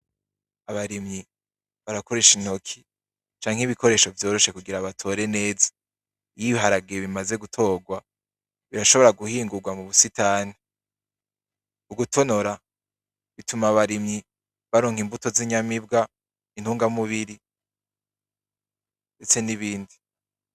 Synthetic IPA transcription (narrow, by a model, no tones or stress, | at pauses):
aβaɾimɲi | βaɾako̞ɾe̞ʃin̥ho̞kʰi̥ | t͡ʃaːŋ̥hiβikʰo̞ɾe̞ːʃo̞vjo̞ːɾo̞ʃe̞kuɡiɾaβatʰo̞ɾe̞ne̞ːzḁ | ijiβiɦaɾaɡeβimaze̞ɡutʰo̞ːɡwa | βiɾaʃo̞βo̞ɾaɡuhiːŋɡuɾɡwamuβusitʰaːni | uɡutʰo̞no̞ɾa | βitumaβaɾimɲi | βaɾoːŋ̥himbuto̞ziɲamibɡa | inhuːŋɡamuβiɾi | nde̞t͡se̞niβiːndi